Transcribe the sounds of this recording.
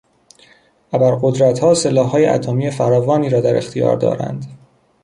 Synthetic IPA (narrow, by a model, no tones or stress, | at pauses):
ʔæbæɾɢod̪ɾæt̪hɒːse̞lɒːhːɒːjeʔæ̰t̪ʰomiːe̞fæɾɒːvɒːniːɾɒːd̪æɾe̞xt̪ʰijɒ̰ːɾd̪ɒ̰ːɾæ̰nd̪̥